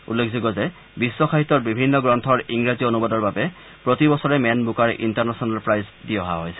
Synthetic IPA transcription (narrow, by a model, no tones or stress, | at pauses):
ṵlːekʰziɡɔzɛ | bisːɔxʰaɦitɔɹbibʱinːɔɡɹɔntʰɔɹiŋɹazionubɔdɔɹbabɛ | pɹotibɔsɔɹɛmɛnbukaɹʔḭntaɹnasɔnalpɹajzdiɔɦa̰ɦɔjsɛ